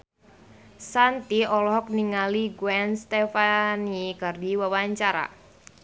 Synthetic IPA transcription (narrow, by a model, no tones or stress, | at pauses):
sant̪iɔlɔɦɔk̚niŋaliɡwɛnst̪efanikardiwawaɲt͡ʃaɾa̰